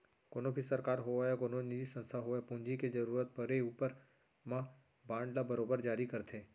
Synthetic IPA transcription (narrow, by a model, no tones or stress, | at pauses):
koːnõbʱisɐɾkaːɾɦojakoːnonid̪isɐ̃nst̪ʰaɦoepũɲd͡ʒiked͡ʒɐɾuːɾət̪̚pəɾeuːpəɾ | mã | bãːɳɖlabɐɾoːbəɾd͡ʒaːɾikɐɾt̪ʰẽː